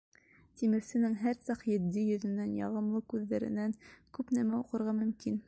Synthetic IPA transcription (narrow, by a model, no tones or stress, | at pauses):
t̪imɘ̆ɾsɘ̆nɘŋɦæɾsɑqjɘ̆d̪ːijɵ̆ðɘ̆nænjɑ̰ʁɤ̆mlˠɤkʉðːæɾɘ̰̆næŋkʉpnæmæuqɤ̆ɾʁɑmɵ̆mkin